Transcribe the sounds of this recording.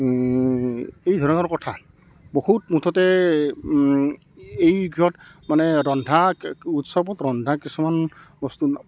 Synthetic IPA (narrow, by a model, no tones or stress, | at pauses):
ejdʱɔɹɔnɔɹkɔtʰa | bɔhutmutʰɔtɛ | ejɡʱiɔt | manɛɹɔndʱautsɔbɔtɹɔndʱakisumanbɔstun